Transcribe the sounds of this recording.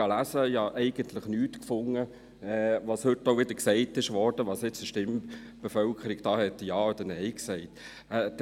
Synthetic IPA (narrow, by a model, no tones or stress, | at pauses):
ɑlæsəɑʔɛɪɡ̥ənt̪ʰləχnyːtkfʊŋːə | ɛːʋɑːshʏtːoʊʋɪd̥̪əksɛɪtːɪʃʋɔɾd̥əʋɑːsɪt͡səʃtɪm | b̥efœlkʰəɾiɡd̥̪ɑːhɛt̪ːjɑːod̪ənɛɪksɛɪt | ɛd